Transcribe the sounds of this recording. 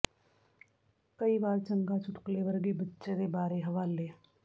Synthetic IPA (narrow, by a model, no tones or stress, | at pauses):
kɐibaːɾt͡ʃə̃ŋɡat͡ʃʰʊʈkleʋɐɾɡebɐtːʃed̪ebaːɾeɦɐʋaːlːeː